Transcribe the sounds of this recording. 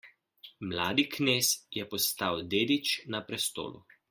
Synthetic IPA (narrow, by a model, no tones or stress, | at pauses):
mlaːd̪ikneːsjɛpɔst̪awd̪eːd̪it͡ʃnapɾɛst̪o̰ːlṵ